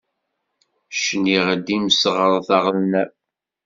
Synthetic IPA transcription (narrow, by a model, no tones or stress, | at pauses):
ʃniʁd̪imsʁəɾˤθɑʁlnæ